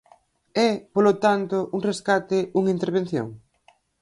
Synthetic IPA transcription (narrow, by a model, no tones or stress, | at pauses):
ɛpolot̪ant̪oʔuŋreskat̪ɪuŋint̪eɾβ̞en̟θjo̰ŋ